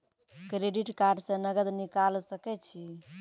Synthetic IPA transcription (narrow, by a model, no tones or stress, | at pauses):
kɾeɖiʈkaɾɖsẽnəɡəd̪nikalsəkɛt͡ʃʰi